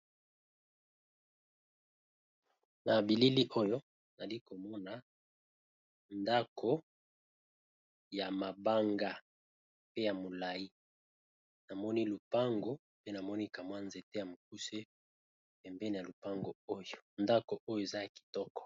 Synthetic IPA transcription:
na˨bi˨li˦li˦ʔo˦jo˦ | na˨li˦ko˨mɔ˦na˨ | nda˦kʰo˦ | ja˨ma˨ba˦ŋɡa˦ | pe˦ja˨mo˨la˨i˦ | na˨mɔ˦ni˦lu˨pa˦ŋɡo˦ | pe˦na˨mɔ˦ni˦ka˨mwa˦nze˨te˦ja˨mo˨k̚u˦se˦ | pɛ˨mbɛ˦n˨ja˨lu˨pa˦ŋɡo˨o˦jo̥˨nda˦ko˨ʔo˦jo˦e˨za˦a˨ki̥˨tɔ˦kɔ̥˨

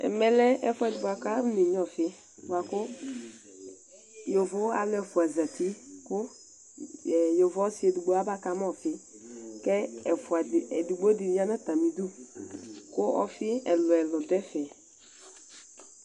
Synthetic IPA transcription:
ɛ̰˨mɛ˦lɛ˦ɛ˨fʊ˦ɛ˨dʊ˨ɡ͡ba˨ka˦ne˨ɲ˦ɔ˦˨fɪ˦ | wa˨kʊ˦ | jo˨vʊ˦a̰˨lʊ˦ɛ˨fʊ˨a˨za˨ti˦kʊ˦˨ | jo˨vʊ˨˦ɔ˦sɪ˨˦ɛ˨du˨ɡ͡bo˨˦a˦ba˦ka˨˦m˦ɔ˦˨fɪ˦ | kɛ˦ɛ˨fʊ˨a˨ɛ˨du˨ɡ͡bo˦di˨˦a˦na˦ta˨mĩ˨du˦ | kʊ˦ʔɔ̰˦fɪ˦ɛ˨lʊ˨ɛ˨lɔ˨dɛ˦fɛ˨

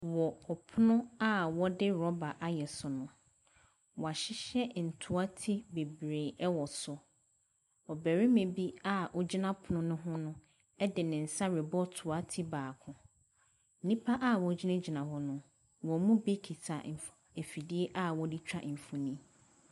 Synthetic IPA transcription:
wɔ˨ɔ˨pʰʊ˦nʊ̃˦a˦wɔ˦dɪ˦ɾɔ˦ba˨ʔa˦jɛ˨sʊ˨nʊ̃˨ | wɔ˨a˨ɕɪ˦ɕɛ˦n̩˨tʰʊ˨a˦tʰi˦be˨bɾe˨ɛ˦wɔ˨sʊ˨ | ɔ˨bæ˨ɾi˦mẽ˨bi˦a˦ʔɔ˨d͡ʑi˦nã˦pʰʊ˨nʊ̃˦nʊ̃˦ɦʊ̃˦nʊ̃˦ | dɪ˨nɪ̃˨n̩˨sa˦ɾɪ˨bɔ˦tʰʊ˨a˦tʰi˦baː˨kʰʊ̃˨ | n̩˦nĩ˦pʰa˦ʔa˦˨wɔ˨d͡ʑi˦nã˦d͡ʑi˨nã˨ɦɔ˦nʊ̃˦ | wɔ˨mũ˦be˦kʰi˨tʰa̰˨m̩˨fe˨fi˨di˦e˦ʔa˦wɔ˦dɪ˦t͡ɕᶣa̰˦ʔm̩˨fʊ˨nĩ˦

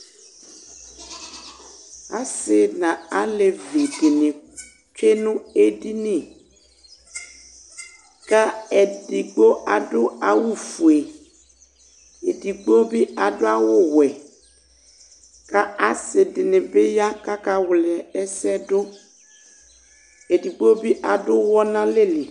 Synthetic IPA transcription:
a˨sɪ˨nã˨a˦le˨ve˨ɖe˨nẽ˨ | t͡ʃe˦nũ˦e˦di˦nĩ˦˨ | ka˦ɛ˨di˨ɡ͡bo˦a˨ɖo˦a˨wu˦fu˨e˨ | e˨di˨ɡ͡bo˦bi˦a˨do˦a˦wo˦wɛ˨ | ka˦a˦se˨dɪ˨nẽ˨be˦ja˦ka˦ka˦wlɛ˨ɛ˦sɛ˦do˦ | e˨di˨ɡ͡bo˦bi˦ʔa˨dʊ˦wɔ˦nã˦le˦li˨

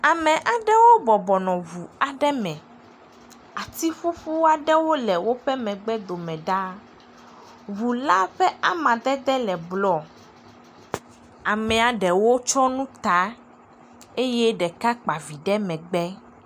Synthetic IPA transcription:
a˨mɛ̃˨ʔa˨ɖɛ˦wo˦bɔ˨bɔ˨nɔ̃˨vu˨a˨ɖɛ˦mɛ̃˨ | a˨t̪i˦ɸu˦ɸu˦wa˨ɖɛ˦wo˦lɛ˨wo˦ɸɛ˦mɛ̃˨ɡ͡bɛ˦d̪o˨mɛ̃˨ɖa˦ | βu˨la˦ɸɛ˦ʔa˦mã˨d̪ɛ˦d̪ɛ˦lɛ˨blɔ˨ | a˨mɛ̃˨a˨ɖɛ˨wo˦t͡ʃɔ˦nũ˦t̪a˦ | e˦jɛ˦ɖɛ˨ka˦k͡pa˨vi˨ɖɛ˦mɛ̃˨ɡ͡bɛ˦

